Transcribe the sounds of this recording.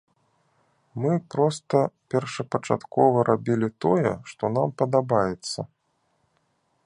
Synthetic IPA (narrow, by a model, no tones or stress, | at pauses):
mɨpɾɔst̪ɐpʲɛrʂɐpɐt͡ʂa̰t̪kɔvɐɾabʲilʲit̪ɔjɛʂt̪ɔnampɐd̪abajɛt̪sːɐ